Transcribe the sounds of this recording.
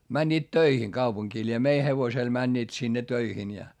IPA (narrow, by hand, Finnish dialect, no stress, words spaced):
mænʲːiːt tøihiŋ kɑupuŋkiː lʲie mei heʋosel mænʲːiːt sinːe tøihin jɑ